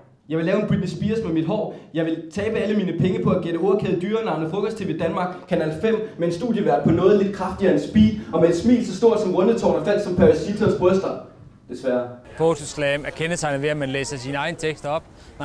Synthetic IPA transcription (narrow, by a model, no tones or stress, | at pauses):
jɑ̈ɪʋe̝lɛːʊenb̥ʁyb̥əsb̥iːɐsmemid̥ɦɒ̰ːjɑ̈ɪʋe̝lt͡sʰɛːb̥əæləmiːnəpʰeŋəpʰɒ̽æɡ̥eɾ̥əo̝ɐɐkʰeð̩ˠd̥yːɐnɑ̈ʊnəfʁɔ̽kɒ̽st͡sʰe̝ʋe̝d̥ænmɑ̈ːɡ̥kʰːænɛlfem̰mee̝nsd̥ṵːðˠjəʋæɐ̥pʰɒ̽nɔ̽ːð̞̩ˠle̝d̥̚kʰʁɑ̈fd̥iɐensb̥ḭ̥ːɒ̽meed̥smḭːlsɒ̽sd̥o̝ɐ̰d̥sɒ̽mʁɔ̽nət͡sʰɒ̰ːnɐfæl̰d̥sɒ̽mpʰæʁæsit͡sʰosb̥ʁɔsd̥ɐ | d̥e̝sʋæɐpʰot͡sʰuslɛːmæɐkʰenɐsɑ̈ɪnəʋe̝æmænlḛːsɐsinəɑ̈ɪnət͡sʰeɡ̥sd̥ɒ̽b̥̚